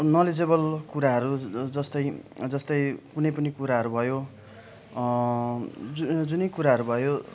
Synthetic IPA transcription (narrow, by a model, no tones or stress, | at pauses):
nʌled͡zebʌlkuɾaɦʌɾud͡zʌst̪ʌjd͡zʌst̪ʌjkunʌjpʌnikuɾaɦʌɾubʱʌjo | d͡zd͡zunʌjkuɾaɦʌɾubʱʌjo